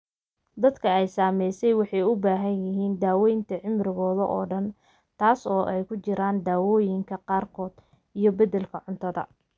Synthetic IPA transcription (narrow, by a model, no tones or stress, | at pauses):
d̪ɐd̪kʰɐɛjsaːmɛjsɛjwɑħɑjʊbaːɦɐnjɪɦiːnd̪aːwɛjnt̪ʰɐʕɪmrɪɣɔːðɐʔɔːɖɐn | t̪ʰaːsɔːʔɛjkʰʊt͡ʃɪɾaːnd̪aːwɔːjɪŋkʰɐqɑːrkʰɔːd̪̥ | ijɞbɐðɛlkʰɐʕʊnt̪ʰɐðɐ̰